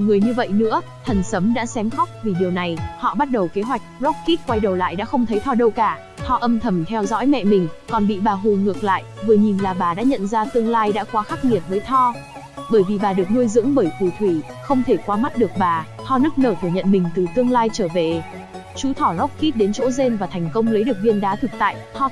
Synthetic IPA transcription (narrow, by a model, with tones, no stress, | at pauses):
ŋɨ˨˩əjɲɨ˧və̰˧˨jnɨ̰˧˥ə | t̪ʰə˨˩nsə˨˦mɗa̰ː˧˥sɛ˨˦mxa˦˥k͡p̚vi˨˩ɗi˨˩əwna˨˩jhɔ̰˧˨ɓa˦˥t̚ɗə˨˩wke˨˦ɦwa˨˩jk̟̚zɔ˦˥k͡p̚ki˦˥t̚kwa˧jɗə˨˩wla̰ː˧˨jɗa̰ː˧˥xə˧wŋ͡mt̪ʰə˨˦jt̪ʰɔ˧ɗə˧wkaː˧˩ | t̪ʰɔ˧ʔə˧mt̪ʰə˧˩mt̪ʰɛ˧wzɔ̰˧˥jmɛ̰˧˨mï˨˩ŋ̟kɔ˨˩nɓḭ˧˨ɓaː˨˩ɦu˨˩nŋɨ˨˩ək̚la̰ː˧˨jvɨ˨˩əɲi˨˩nlaː˨˩ɓaː˨˩ɗa̰ː˧˥ɲə̰˧˨nzaː˧t̪ɨ˧əŋlaː˧jɗa̰ː˧˥kwaː˨˦xaː˦˥k̚ŋi˨˩ət̚vəː˨˦jt̪ʰɔ˧ | ɓəː˧˩jvi˨˩ɓaː˨˩ɗɨ˨˩ək̚nu˧əjzɨ̰˧˥ŋɓəː˧˩jt̪ʰu˧˩t̪ʰwi˧˩ | xə˧wŋ͡mt̪ʰe˧˩kwaː˨˧ma˦˥t̚ɗɨ˨˩ək̚ɓaː˨˩ | t̪ʰɔ˧nɨ˦˥k̚nəː˧˩t̪ʰɨ˧˩ɲə̰˧˨nmï˨˩ŋ̟t̪ɨ˨˩t̪ɨ˧əŋlaː˧jt͡ɕəː˧˩ve˨˩ | t͡ɕu˨˦t̪ʰɔ˧˩zɔ˦˥k͡p̚ki˦˥t̚ɗe˨˦nt͡ɕo̰˧˥ze˧nvaː˨˩t̪ʰɛ˨˩jŋ̟kə˧wŋ͡mlə˨˦jɗɨ˨˩k̚vi˧ənɗaː˨˦t̪ʰɨ˨˩k̚t̪a̰ː˧˨jt̪ʰɔ˧